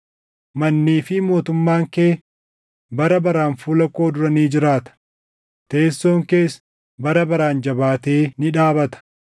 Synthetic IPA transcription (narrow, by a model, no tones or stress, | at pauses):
mɐnːiːfɪmo̞ːt̪ʊmːaːŋkeː | bɐɾɐbɐɾaːnfuːlɐko̞ːd̪ʊɾɐniːd͡ʒɪɾaːt̪ɐ̥ | t̪e̞ːsːo̞ːŋke̞ːs | bɐɾɐbɐɾaːnd͡ʒɐbaːt̪e̞ːnɪᶑaːbɐt̪ɐ̥